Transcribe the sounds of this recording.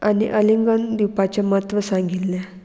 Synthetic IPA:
aniʔəliŋɡənd̪iwpat͡ɕaməɦət̪ʋəsãŋɡit̪lɛ̃

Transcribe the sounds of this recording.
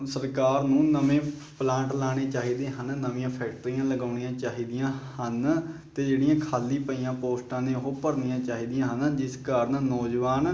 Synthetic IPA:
səɾkaːɾnũːnəmẽːplãːɳʈlaːɽ̃eːt͡ʃaːɦiːd̪eːɦənnəmĩːãːpʰɛːkʈəɾiːãːləɡaːnijãːt͡ʃaːɦiːd̪ɪjãːhənt̪eːd͡ʒeːɽɪjãːkʰaːliːpəiːãːpoːsʈãːneːʊɦoːpəɽnijãːt͡ʃaːɦiːd̪ijãːɦənd͡ʒɪskaːɾənnɔːd͡ʒʋaːn

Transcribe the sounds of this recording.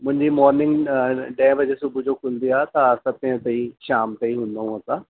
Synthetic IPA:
mʊ̃ɦɪ̃ɲd͡ʑimɔːɾnɪ̃ŋɡɖɛ̃ːbɐd͡ʑesʊbʱʊd͡ʑokʊ̃nd̪iaːt̪ɐɐsãpĩɦə̃t̪ɐiʃaːmt̪eiɦũːn̆d̪aũɦɐsãː

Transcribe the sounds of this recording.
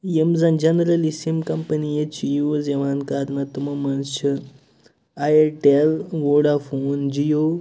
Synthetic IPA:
jemzɐnd͡ʒɐnɾɐlisimkɐmpɐnijet͡ʃijozeʋaːnkaɾnɐt̪umɐmɐnt͡ʃi | ajeʈelʋoɽafoːnd͡ʒijo

